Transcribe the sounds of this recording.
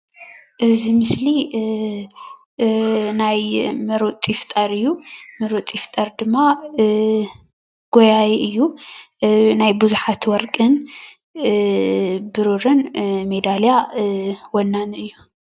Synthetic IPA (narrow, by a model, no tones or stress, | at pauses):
ʔɨzimɨsli | najmɨɾut͡s̪ʼift̪ʼɐɾɨjːumɨɾut͡s̪ʼift̪ʼɐɾd̪ɨmːa | ɡ̥ojajiʔɨjːu | najbuzuħat̪wɔɾkʼɨn | bɨɾuɾɨnmed̪alja | wɔnːanɨjːu